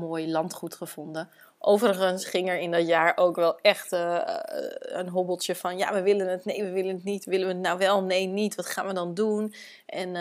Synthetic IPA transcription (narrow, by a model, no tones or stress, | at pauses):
moːjlɑntχutχəv̥ɔndə | ʔowvərəχənsχɪŋɛɹɪndɑtjaːɹʔowkʋɛlˠɛχt | ənɦobl̩ˠtjəfɑnja̰ːʋəʋɪlənətnejʋəʋɪlənətnitʋɪləʋəətnawʋɛlˠnejnitʋɑtχa̰ːnʋədɑndun | ʔɛn